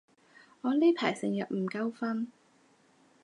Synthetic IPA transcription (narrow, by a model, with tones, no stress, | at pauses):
ŋɔː˨˧leː˥pʰa̰ː˨˩jsɪ˨ŋjɐ˨t̚m̩˨˩kɐ˥wfɐ˥n